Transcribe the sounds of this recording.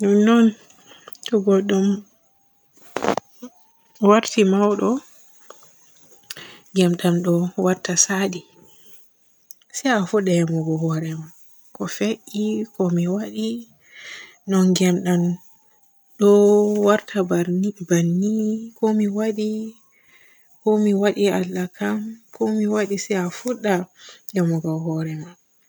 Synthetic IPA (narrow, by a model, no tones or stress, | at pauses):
nunɔn | tɔɡɔɗum | waɾtimawɗɔ | ŋɡɛmɗamɗɔwaɾtasaɗi | siafuɗɛmɔɡɔhɔɾɛma | kɔfeʔikɔmiwaɗi | nɔnɡɛmɗam | ɗɔwaɾtʰabaibanikɔmiwaɗi | kɔmiwaɗialːakʰamkɔmiwaɗisɛafuɗːajɛmɔɡɔhɔɾɛman